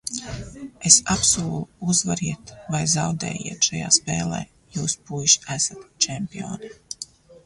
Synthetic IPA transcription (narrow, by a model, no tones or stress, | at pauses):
esapsuːlˠuuzvaɾiɛt̪vajzawd̪ɛ̰ːjḭɛt̪ʃaja̰ːspeːlˠḛː | juːspujʃæsat̪t͡ʃɛmpʲio̰ːni